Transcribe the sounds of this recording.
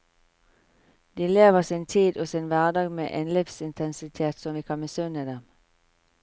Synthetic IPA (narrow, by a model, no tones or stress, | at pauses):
d̪iːleːʋəʁsɪnt̪ʰiːd̪oːsɪnʋæʁd̪ɑːɡmḛːʔeːnlifsɪnt̪ʰɛnsɪt̪ʰeːt̪sɔmʋiːkʰɑnbəsʉnəd̪ɛm